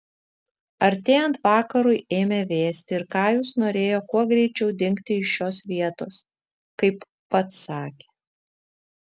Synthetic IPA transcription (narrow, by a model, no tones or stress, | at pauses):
ɐɾʲt̪ʲeːjɛnt̪ʋɑːkɐɾʊɪeːmʲeːʋʲeːsʲt̪ʲɪɪɾkɑːjuːsnoːɾʲeːjoːkuɔɡɾʲɛɪt͡ʃʲɛʊd̪ʲɪŋʲkt̪ʲɪɪʃʃoːsʋʲiɛt̪oːs | kɐɪpːɐt̪sɑːkʲeː